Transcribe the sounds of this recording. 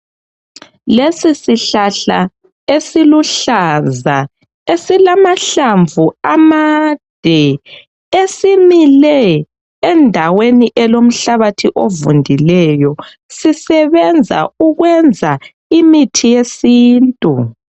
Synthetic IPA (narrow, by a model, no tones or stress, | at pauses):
lesisiɬaɬa | esiluɬaza | esilamaɬaɱvʱuamad̥ʱɛ | esimilɛː | ndʱaweniʔɛlom̩ɬaβatʰiʔovundʱilɛjɔ | sisɛβɛnd͡zʱa̰uɣwɛnd͡zʱa | imitʰijesiːntʼu